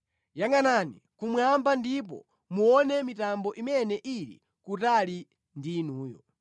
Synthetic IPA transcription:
jaŋanani | kumwambandip̬ɔ̰ | muɔnɛmitambɔʔimɛnɛʔiɾḭ | kutali | ndinuːjɔ̰

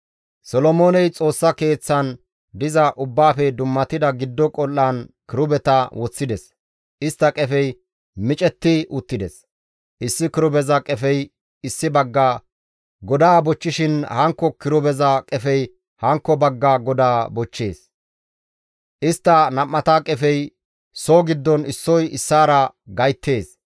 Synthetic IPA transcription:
sɔlɔmo̞ːnɛjt͡sʼo̞ːsːɐke̞ːt͡sːɐn | d̪ɪzɐʔʊbːaːfɛd̪ʊmːɐt̪ɪd̪ɐɡɪd̪ːɔkʼɔlːaːnkɪɾʊbɛt̪ɐwɔt͡sːɪd̪ɛs | ʔɪst̪ːɐkʼɛfɛj | mɪt͡ʃʼɛt̪ːɪʔʊt̪ːɪd̪ɛs | ʔɪsːɪkɪɾʊbɛzɐkʼɛfɛj | ɪsːɪbɐɡːaː | ɡɔd̪aːbɔt͡ʃːɪʃɪnhɐŋkːɔkɪɾʊbɛzɐkʼɛfɛj | hɐŋkːɔbɐɡːaːɡɔd̪aːbɔt͡ʃːe̞ːs | ʔɪst̪ːɐnɐmːɐt̪aːkʼɛfɛj | soːɡɪd̪ːɔnɪsːɔjɪsːaːɾɐɡɐjt̪ːe̞ːs

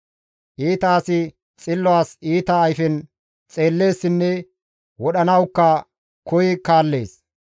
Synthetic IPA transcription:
ʔiːt̪aːsɪ | t͡sʼɪlːɔaːsiːt̪ɐːjfɛn | t͡sʼe̞ːlːe̞ːsːɪnːɛ | wɔɗɐnɐwkːɐ | kɔjɪkaːlːe̞ːs

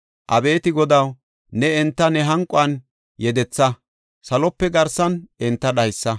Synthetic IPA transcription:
ʔɐbe̞ːt̪ɪɡɔd̪ɐw | nɛɛnt̪ːɐnɛɦɐŋkʼʊɐn | jɛd̪ɛt͡sːɐ | sɐlɔpːɛɡɐɾsɐnɛnt̪ːɐɗɐjsːɐ

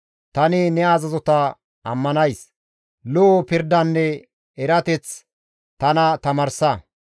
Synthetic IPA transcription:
t̪ɐnɪnɛaːzɐzɔt̪ɐ | ʔɐ̰mːɐnɐjs | loːpɪɾd̪ɐnːɛ | ɛɾɐt̪ɛt͡s | t̪ɐnɐt̪ɐmɐɾsɐ

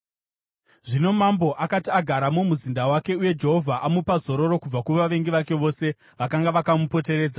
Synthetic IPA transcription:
ʐino̞mambo̞ʔakatiaɡʱaɾamomuzindawake̞uje̞d͡ʒe̞ɦo̞vʱaʔamupazo̞ɾo̞ɾo̞kub͡vakuʋaʋe̞ŋɡiʋake̞ʋo̞ːse̞ | ʋakaŋɡaʋakamupo̞te̞ɾe̞ːd͡za

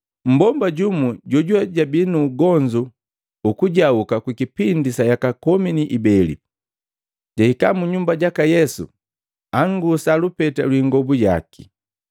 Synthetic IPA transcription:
m̩bɔmbaɟumuɟɔɟuaɟabinuːɡɔɲd͡ʒu | ukuɟaukakwikipindisajakakɔminiʔibɛlḭ | ɟaikamuɲumbaɟakajɛsṵ | aŋɡusalupɛtalwiŋɡɔbuɟa̰ki̥

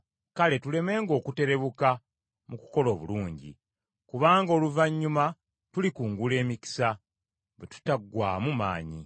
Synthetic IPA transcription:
kale̞tule̞me̞ːŋɡo̞ːkute̞ɾe̞βuka | muku̥ko̞lo̞ːβṵluːɲɟḭ | kuβaːŋɡo̞ːluvaɲːuma | tulikuːŋɡule̞ːmiki̥sa | βwetu̥taɡwaːmuma̰ːɲi

